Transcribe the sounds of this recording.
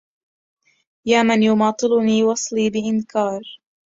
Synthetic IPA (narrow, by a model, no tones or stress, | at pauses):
jaːmɪnjʊmɑːt̪ˤɨlʊniːwɑsˤliːbɪʔɪnkɑːɾˤ